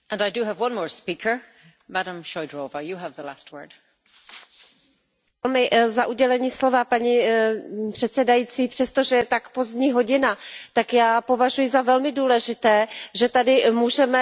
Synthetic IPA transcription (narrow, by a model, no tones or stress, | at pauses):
ʔə̃naɪdəəvwʌ̃nmɔːɹspikʰə˞ | maɾə̃mʃɔɪdɹoːvəjəəvðəla̰st̚ʰwɜ̰˞d̥ | ɛlmɪzaʔuɟɛlɛɲiːslo̞vapaɲi | pr̥ɛt̪sɛdajiːt͡siːpr̥ɛst̪oʒɛjɛt̪akpo̞zdɲiːɦo̞ɟɪnat̪akjaːpo̞vaʒujɪzavɛlmɪduːlɛʒɪt̪ɛːʒɛt̪adɪmuːʒɛmɛ